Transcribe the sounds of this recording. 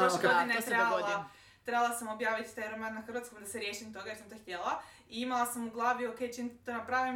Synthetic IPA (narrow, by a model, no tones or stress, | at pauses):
ʃod̪inet̪ɾebalˠa | t̪ɾebalˠasamobjaːʋit̪i̥t̪ajɾemannaxr̩ʋat̪skojd̪aseɾjeːʃimt̪o̞ɡajesamt̪oxt̪ʲjela | iimalˠasamuɡlˠaːʋioke̞jt͡ʃint̪t̪onapɾaʋim